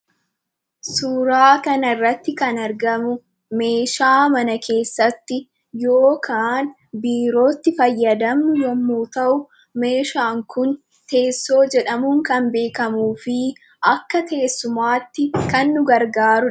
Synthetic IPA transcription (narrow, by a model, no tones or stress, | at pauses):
suːɾaːkɐnɐɪrːɐt̪ːɪkɐnɐɾɡɐmʊ | me̞ːʃaːmɐnɐkʰe̞ːsːɐt̪ːɪ | jo̞ːkʰaːn | biːɾo̞ːt̪ːɪfɐjːɐd̪ɐmnʊjɔmːuːt̪ɐʔʊ | me̞ːʃaːŋkʊn | t̪e̞ːsːo̞ːd͡ʒɛᶑɐmʊŋkɐnbe̞ːkɐmuːfɪ | ʔɐkːɐt̪e̞ːsːʊmaːt̪ːɪkɐnːʊɡɐɾɡaːɾʊ